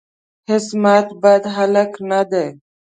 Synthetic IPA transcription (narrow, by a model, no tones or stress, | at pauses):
hɪsmat̪bad̪ɦaləknad̪e